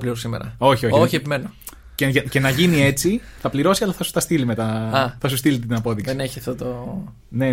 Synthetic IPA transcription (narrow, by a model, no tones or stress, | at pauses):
ɐpliɾossimḛɾɐ̰o̞çioçoçiepimeno | ceʝɐce̞nɐʝinie̞t͡siθɐpliɾo̞siɐlɐθɐsu̥t̪ɐst̪ilime̞t̪ɐɐθɐs̬ust̪ilit̪inɐpo̞ðikeineçiɐft̪ot̪o | ne̞